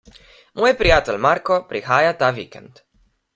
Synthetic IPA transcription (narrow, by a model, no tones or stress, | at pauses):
moːjpɾijat̪ɛlʲmaɾkɔpɾixaːjat̪aːʋiːkɛ̰nt̪